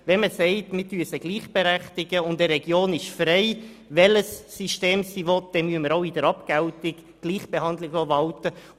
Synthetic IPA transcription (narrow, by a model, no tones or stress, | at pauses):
ʋɛnməsɛɪtmɪɾtyəsəɡ̥liːχb̥eɾæχtɪɡəʊndəɾɛɡjoːnɪʃfrɛɪ | ʋɛləsːyʃteːmsivɔt̚d̥ɛmyəməɾoʊɪdəɾɑpkɛltɪɡ | ɡ̥liːχb̥ehɑndlɪɡoʋɑltə